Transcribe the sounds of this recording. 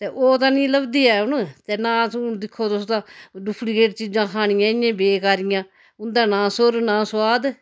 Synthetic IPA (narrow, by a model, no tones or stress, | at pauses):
t̪eːʔoːt̪ãːnĩːləbd̪iːɛːʊnt̪eːnãːd̪ɪkʰːoːt̪ʊst̪ãːɖʊpʰɽiːkeːʈt͡ʃiːd͡ʒãːkʰaːɳ̃ɪjãːɪjãːbeːkaːɾɪjãː | ʊnd̪ãːnãːsʊɾnãːswaːd̪